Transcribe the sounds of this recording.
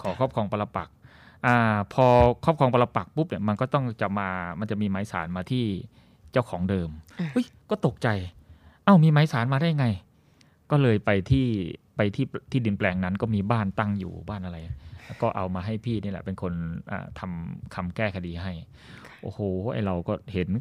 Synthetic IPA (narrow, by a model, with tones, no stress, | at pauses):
kʰɔː˩˦kʰɔː˥˩p̚kʰɔː˧ŋpa˧la˧pa̰˨˩k̚ | ʔaː˧˩pʰɔː˧kʰɔː˥˩p̚kʰɔː˧ŋpa˧la˧pa˨˩k̚pu˦˥p̚ni˥˩ma˧nkɔː˥˩t̪ɔ˥˩ŋt͡ɕa˨˩maː˧ma˧nt͡ɕa˨˩ʔmiː˧maː˨˦jsa̰ː˩˦nmaː˧t̪ʰiː˥˩ | t͡ɕa˥˩wkʰɔː˩˦ŋdɤː˧mʔu˦˥˩jkɔː˥˩t̪o˨˩k̚t͡ɕa˧jʔa˧˩wmiː˧maː˨˦jsaː˩˦nmaː˧daː˥˩jŋa˧j | kɔː˥˩lɤː˧jpa˧jt̪ʰiː˥˩pa˧jt̪ʰiː˥˩t̪ʰiː˥˩di˧nplɛː˧ŋna˦˥nkɔː˥˩miː˧baː˥˩nt̪a˥˩ŋjṵː˨˩baː˥˩nʔa˧ɾa˧jkɔː˥˩ʔa˧wmaː˧ɦa˥˩jpʰiː˥˩niː˥˩lɛ̰˨˩pe˧nkʰo˧nʔa̰ː˨˩t̪ʰa˧mkʰa˧mkɛː˥˩kʰa˧diː˧ɦa˥˩j | ʔo̰ː˧˩hoː˨˩˦ʔa̰˧˩jɾa˧wkɔː˥˩he˩˦n